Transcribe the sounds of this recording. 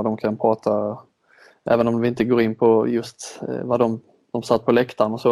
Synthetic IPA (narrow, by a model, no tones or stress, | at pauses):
ad̪ɔmkʰanpʰɾɑːt̪ʰa | ʔæ̰ːvənɔmd̪ɪɪnt̪əɡoːɾɪnːpʰɔjɵst̪vad̪ɔm | d̪̥ɔmsat̪̚ːpʰɔlɛkt̪ʰaɳɔsɔ